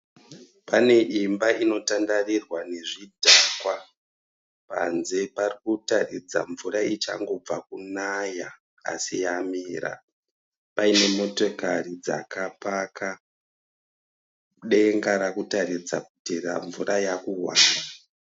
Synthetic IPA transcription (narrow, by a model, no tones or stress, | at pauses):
pane̞ʔimbaino̞tandarirwane̞ʐidʱakwa | pa̰nze̞parikutarid͡za̰ɱvuɾait͡ʃaŋɡo̞b͡vakunaja | a̰sijamiːɾa̰ | paine̞mo̞to̞karid͡za̰kapaka | ɗe̞ŋɡaɾakutaɾid͡zakutera̰ɱvuɾajakuwa̰ːnda